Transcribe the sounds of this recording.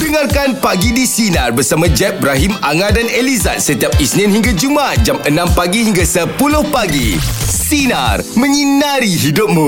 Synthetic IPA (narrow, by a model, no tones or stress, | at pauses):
dəŋarkanpaɡidisinarbərsamãd͡ʒɛp̚bɾaɦimaŋãdaneliza̰t̪̚sət̪iap̚isnɪ̃nhiŋɡad͡ʒumat̪̚d͡ʒamənãmpaɡihiŋɡasəpulʊhpaɡḭsina̰rmə̃ɲinaɾiɦidʊp̚mũ